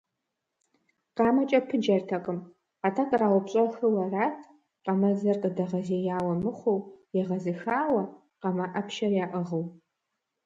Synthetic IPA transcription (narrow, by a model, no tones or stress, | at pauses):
qɑːmɐt͡ʃʼɐpʰɨd͡ʒɐrtʰɐqʼəm | atʰakʼraːwʊpɕʼɐxɨwɐraːtʰ | qɐmɐd͡zɐrqʼədɐʁɐzejaːwɐmɨχʷowjɛʁɐzɨxaːwɐ | qɐmaʔɐpʰʃɐrjaːʔəʁəw